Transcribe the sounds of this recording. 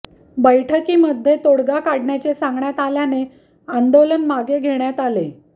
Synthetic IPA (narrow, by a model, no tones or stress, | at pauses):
bəjʈʰəkiːməd̪ʱjet̪oɽɡakaɽɳjat͡ɕesãŋɡɳjat̪aljane | and̪olənmaɡeɡʱeɳjat̪ale